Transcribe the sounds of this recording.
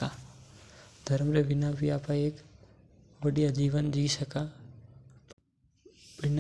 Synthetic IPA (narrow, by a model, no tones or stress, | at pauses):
a | d̪ʱɐɾmɾebɪnãbʱiaːpãeːk | bɐɽijad͡ʒiːʋənd͡ʒiːsəka | bɪn